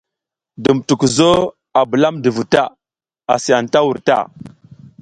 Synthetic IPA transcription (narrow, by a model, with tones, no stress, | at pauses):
də˨mtu˨kzo˦ | a˨bu˨la˦mdə˨vu˨ta˦˨ | a˨si˨ja˨nta˦wu˨ɾta̰˦˨